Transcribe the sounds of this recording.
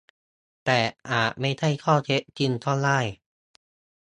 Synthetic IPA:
t̪ɛː˨˩ʔaː˨˩t̪̚ma˥˩jt̪ʰa˥˩jkʰɔː˥˩t͡ɕʰe˦˥ʔt͡ɕi˧nt̪ʰɔː˥˩laː˥˩j

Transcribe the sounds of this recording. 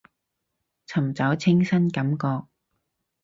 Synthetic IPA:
t͡sʰɐ˨˩mt͡sɐ˨˥wt͡sʰɪ˥ŋsɐ˥nkɐ˨˥mkɔː˧k̚

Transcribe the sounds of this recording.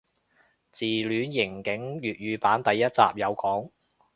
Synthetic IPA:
t͡siː˨˩lyː˨˧njɪ˨˩ŋkɪ˨˥ŋjyː˨t̚ɥyː˨˧paː˨˥nt̪ɐ˨jːɐ˥t̚t͡sa̰ː˨p̚jɐ˨˧wkɔː˨˥ŋ

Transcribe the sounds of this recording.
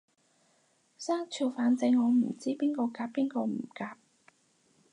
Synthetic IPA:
saː˥ŋt͡ʃʰiː˨˩wfaː˨˧nt͡sɪ˧ŋːɔː˨˧m̩˨˩t͡siː˥piː˥nkɔː˧kaː˧pːiː˥nkɔː˧m̩˨˩kaː˧p̚

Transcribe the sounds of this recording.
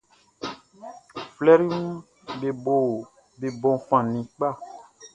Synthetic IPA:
flɛ˦ɾi˦ũ˦ | be˨bo˨ | be˨bɔ̃˨fã˨nĩ˨k͡pa˦˨

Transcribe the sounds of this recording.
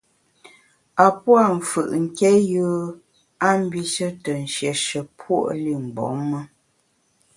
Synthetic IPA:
a˨pwa˦˨ɱ̩˨fɯ˨ʔŋ̩˨kɛ˦jəː˦ | a˦m˦bi˦ʃə˦tə˨n̩˨ʃjɛ˨ʃə˨pʰwo̰˦˨ʔli˦˨m̩˨bɔ̰˨˦mːə˦

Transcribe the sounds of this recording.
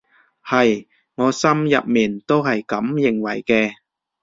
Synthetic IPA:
hɐ˨j | ŋɔː˨˧sɐ˥mjɐ˨p̚miː˨˩nt̪o˥wɦɐ˨jkɐ˨˥mjɪ˨˩ŋwɐ˨˩jkɛː˧

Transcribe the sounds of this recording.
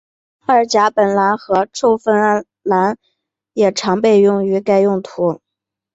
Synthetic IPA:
ə˞˧˥t͡ɕja˧˥pə˨˩nla˧˥nxɤ˧˥ʈ͡ʂʰo˥˧ʊfə˥n˥n | la˧˥n | jɛ˨˩ʈ͡ʂʰɑ˧˥ŋpe˥˧ɪjʊ˥˩ŋy˧˥ka˥˧ɪjʊ˥˩ŋt̪ʰu˧˥

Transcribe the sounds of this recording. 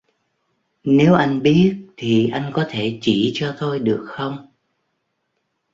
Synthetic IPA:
ne˨˦wʔa˧jŋ̟ɓi˦˥ət̚t̪ʰi˨˩ʔa˧jŋ̟kɔ˨˦t̪ʰe˧˩t͡ɕi˧˩t͡ɕɔ˧t̪ʰo˧jɗɨ˨˩ək̚xə˧wŋ͡m

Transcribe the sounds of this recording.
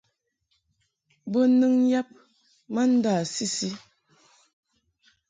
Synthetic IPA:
bə˦nɨ˦ŋn̩˦ja˦p̚ | ma˦n̩˦daː˦˨si˦si˦

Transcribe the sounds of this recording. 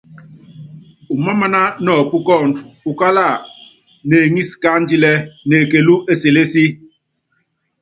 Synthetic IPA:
u˨ma˦ma˦na˦nɔ˨pu˦kɔ˦˨n˨du˨ka˦la˦˨ | ne˨ŋi˦ska˦n˦d͡ʒi˦lɛ˦ne˨ke˨lu˦ʔe˦se˨le˦si˦

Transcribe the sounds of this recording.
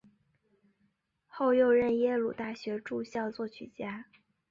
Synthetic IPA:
xo˥˧ʊjo˥˧ʊɻə˥˩njɛ˥lu˨˩t̪a˥˩ɕɥɛ˧˥ʈ͡ʂu˥˧ɕjɑ˥˧ʊt͡swɔ˥˩t͡ɕʰy̰˨˩t͡ɕja˥

